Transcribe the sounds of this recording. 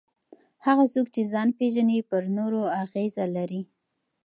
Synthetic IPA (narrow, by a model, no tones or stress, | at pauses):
haɣasokt͡ʃezɑnpeʒanipəɾnoɾoaɣezalaɾi